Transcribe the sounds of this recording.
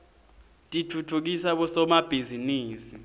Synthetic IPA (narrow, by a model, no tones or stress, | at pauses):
tʼitʰutʰuk̬isaɓɔsɔmab̥ʱiziniːsi